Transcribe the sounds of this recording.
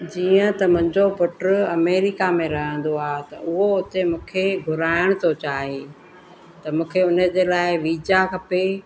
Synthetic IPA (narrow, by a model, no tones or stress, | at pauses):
d͡ʑiːə̃t̪ɐmʊ̃ɦɪ̃ɲd͡ʑopʊʈɾʊɐmeːɾɪkamẽɾɐɦə̃n̆d̪oaːɦt̪ɐʊɦoʊt̪emũːkʰeɡʱʊɾaːɪɽ̃t̪ʰot͡ɕaːɦeː | t̪ɐmũːkʰeʊnə̆d͡ʑeːlaːɪʋiːd͡ʑakʰɐpe